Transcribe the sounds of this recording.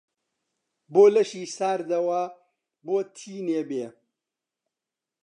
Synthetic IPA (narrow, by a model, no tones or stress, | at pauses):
boːlɐʃiːsaːɾd̪ɐwɐ | boːt̪ʰiːneːbeː